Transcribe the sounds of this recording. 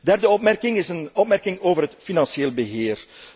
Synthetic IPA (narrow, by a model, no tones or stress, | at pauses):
dɛrdəɔp̚mɛrkɪŋɪsənɔpmɛrkɪŋoːvərɦətfinɑnseːlbəɦeːr